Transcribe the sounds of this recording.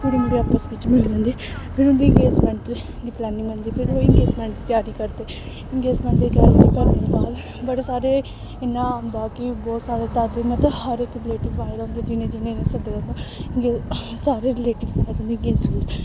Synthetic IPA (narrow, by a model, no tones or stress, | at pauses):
pʊɽimeːɾeaːpəsʋɪt͡ʃmɪld͡ʒãːnd̪iːpʰɪɾʊ̃nd̪iːŋɡeːsmɛ̃ːɳʈ | d̪iːplɛːnɪ̃ŋɡə̃nd̪iːpʰɪɾoɪŋɡeːsmɛ̃ːɳʈd̪iːt̪jaːɾiːkəɾd̪eː | ɪŋɡeːd͡ʒmɛ̃ːɳʈd̪iːt̪jaːɾiːd̪iːkəɾneːd̪enaːl | bəɽeːsaːɾeː | ɪnːãːmd̪aːkɪbɔːt̪saːɾeːt̪ad̪eːmət̪əhəɾɪkɾɪleːʈɪʋʋaːɪd̪aɦʊ̃nd̪eːd͡ʒɪnẽːd͡ʒɪnẽːnẽsəd̪ed͡ʒãːnd̪aːɪŋɡeː | saːɾeːɾɪleːʈɪʋsaːjt̪ʊ̃nd̪iːɡeːsʈɪ